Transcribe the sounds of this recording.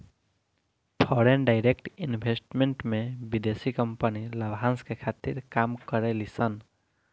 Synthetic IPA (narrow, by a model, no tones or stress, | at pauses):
pʰɔɾenɖaɪɾekʈinbʱesʈmeɳʈmebid̪esikəmpəniləbʱãnskekʰat̪iɾkamkəɾelisən